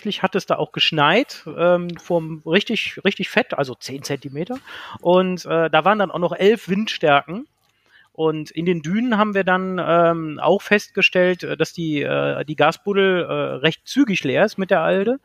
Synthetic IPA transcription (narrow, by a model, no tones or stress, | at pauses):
lɪçhatɛsd̥a̰ːʔa̰ʊxɡ̥əʃnaɪtʔɛːmfoːɐmʁɪçtɪçʁɪçtɪçfɛtʔa̰lzot͡seːnt͡sɛntimeːtɐʔʊntʔɛːd̥aːvaːʁəndanʔaʊxnɔχʔɛlfv̥ɪntʃtɛɐkŋ̩ | ʔʊntɪndeːndyːnənɦaːbm̩viːɐdanʔɛːmʔa̰ʊxfɛst̚ɡ̥əʃtɛltːd̥asd̥iːʔɛ̰ːdiːɡaːsb̥ʊdl̩ʔɛːʁɛçt̚t͡syːɡɪçleːɐɪstmɪt̚d̥eːɐʔaldə